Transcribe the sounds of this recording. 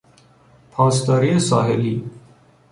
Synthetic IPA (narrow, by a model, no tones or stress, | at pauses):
pʰaːst̪aːɾiesa̰ːɦeliː